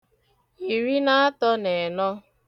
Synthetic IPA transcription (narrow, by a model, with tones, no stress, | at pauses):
i˨ɾi˦na˦a˦tɔ˦ne˨nɔ˦